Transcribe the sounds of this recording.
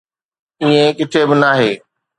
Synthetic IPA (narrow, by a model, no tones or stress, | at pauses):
iẽkɪt̪ʰebɪnaːɦeː